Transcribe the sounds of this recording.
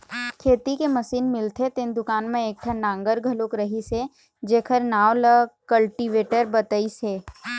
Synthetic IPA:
kʰeːt̪ikemɐsiːnmɪlt̪ʰet̪ɪ̃nd̪ʊkaːnmẽeːk̚ʈʰənãːŋɡəɾɡʱɐlokɾɐɦise | d͡ʒeːkʰəɾnaːʋləkəlʈiʋeːʈəɾbɐt̪əiseː

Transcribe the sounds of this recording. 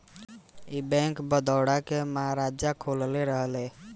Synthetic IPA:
ibɛ̃ŋkbəd̪ɔwɽakeməɦaɾad͡ʒjakʰolleɾəɦəle

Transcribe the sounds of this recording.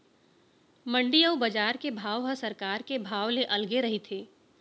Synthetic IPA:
mɐ̃ɳɖijəwbɐd͡ʒaːɾkebʱaːʋɦəsɐɾkaːɾkebʱaːʋleʔɐlɡeɾɐɦit̪ʰeː

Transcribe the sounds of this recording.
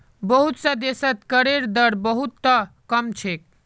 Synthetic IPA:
bəɦut̪sə̃d̪esət̪kəɾeɾd̪əɾbəɦut̪ːəkəmt͡ʃʰek̚

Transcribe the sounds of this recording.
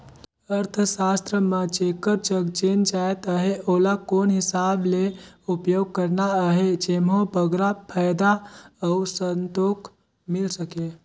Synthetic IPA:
əɾt̪ʰəsast̪ɾəmət͡ʃekəɾt͡ʃəɡd͡ʒend͡ʒaet̪əɦeolakonɦɪsableupjoɡ̚kəɾnaəɦed͡ʒemɦobəɡɾapʰəjd̪aəusənt̪ok | milsəke

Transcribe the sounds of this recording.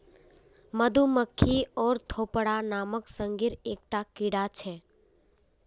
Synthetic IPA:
məd̪ʱuməkʰːiɔːɾt̪ʰopɽanaməksə̃ŋɡiɾeːk̚ʈakɪɽat͡ʃʰe

